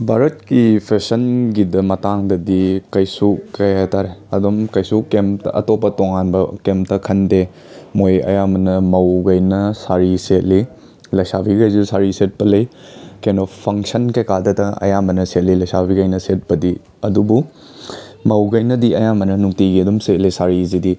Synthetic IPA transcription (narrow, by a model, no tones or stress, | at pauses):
bʱaɾɐt̚kipʰesɐnɡidɐmɐtaŋdɐdikɐjsukɐjataɾeɐdumkɐjsukːemtɐ̰ʔɐ̰topːɐtoŋanbɐkemtɐkʰɐnde | mojɐ̰jamɐnɐmɐwɡɐjnɐsaɾiset̚li | lɐjsabʰiɡɐjzusaɾiset̚pɐlɐjkenopʰɐŋsɐnkɐjkadɐtɐɐ̰jamɐnɐset̚lilɐjsabʰʱiɡɐjnɐset̚pɐdi | ɐdubu | mɐwɡɐjnɐdiɐjamɐnɐnuŋtiɡiɐdumset̚lisaɾizidi